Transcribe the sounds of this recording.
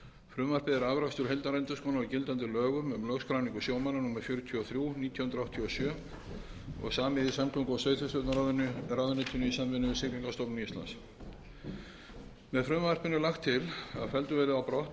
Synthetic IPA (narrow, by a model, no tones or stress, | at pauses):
fɾʏːmvar̥pɪðɪɾavɾast̪ʏɾ̥ɦɛjlt̪aɾɛnt̪ʏskɔːnaɔcɪlt̪ant̪ɪlœːɣʏmʏmlœɣskɾawniŋkʏsjoːwmananumaɾ̥fjʏːɾʏt̪ʰjʏɔθɾjuniːt̪ʰjɔwhʏnt̪ɾawht̪ʰjɔɔsjœː | ɔ̰ɣsaːmɪðisamkʰʏŋkʏawsœːɥt̪θʏst̪œt̪naɾraðʏnɪt̪ʰʏnʏisamvɪnʏvɪsɪk̪iŋkast̪ɔwpnnist̪la̰ns | mɛðfɾʏːmar̥pɪnːʏlaxt̪ʰːɪla̰ðfɛlt̪ʏvɛːɾɪðawpɾɔht̪